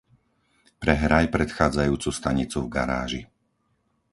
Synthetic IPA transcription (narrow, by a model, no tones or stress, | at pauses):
pɾɛɦɾajpɾɛt̪xaːd͡zajuːt͡sust̪aɲit͡suvɡaɾa̰ːʒi